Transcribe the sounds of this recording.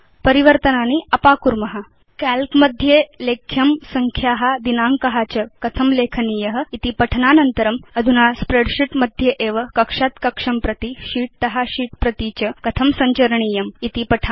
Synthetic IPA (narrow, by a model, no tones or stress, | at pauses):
pəɾiʋəɾt̪ənaːniɐpaːkuɾmɐɦa | kælkməd̪ʱjelekʰjɐmsɐŋkʰjaɦad̪inaːŋkɐɦat͡ɕəkɐt̪ʰɐmleːkʰənijɐɦə̆it̪ipɐʈʰnanɐnt̪əɾɐmɐd̪ʱunaspɾeɽɕiʈməd̪ʱjeʔeːʋəkɐkʂaːt̪kɐkʂɐmpɾɐt̪iɕiːʈ̚t̪ɐɦaɕiːʈ̚pɾɐt̪it͡ɕəkɐt̪ʰɐmsɐɲt͡ɕɐɾɳiːjɐmit̪ipɐʈʰa